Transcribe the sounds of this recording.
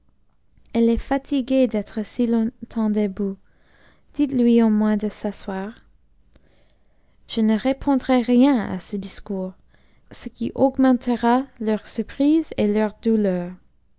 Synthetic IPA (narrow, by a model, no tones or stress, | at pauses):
ɛlɛfat̪ʰiɡed̪ɛt̪χəsilɔ̃t̪ʰɑ̃d̪əbu | d̪̥it̪lɥiomwɛ̃d̪əsaswaːʁ | ʒ̥ənəʁepʰɔ̃d̪ʁɛʁjɛ̃a̰səd̪iskuːʁ | səkḭʔɔɡmɑ̃t̪ʰəʁalœʁsyʁpχizelœʁd̪ulœːʁ